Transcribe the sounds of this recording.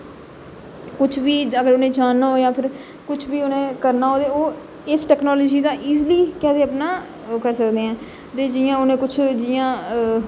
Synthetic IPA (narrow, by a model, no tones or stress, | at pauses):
kʊt͡ʃʰʋiːəɡəɾʊnẽːd͡ʒaːnːaːoːjãːpʰɪɾ | kʊt͡ʃʰʋiːʊnẽːkəɾnaːɦoːd̪eːoː | ɪsʈɛːknɔːloːd͡ʒiːd̪aːʔiːzliːkɛːseːəpnaː | kəɾsəkd̪eːɛ̃ː | t̪eːd͡ʒijãːʊnẽːkʊt͡ʃʰd͡ʒɪːjãː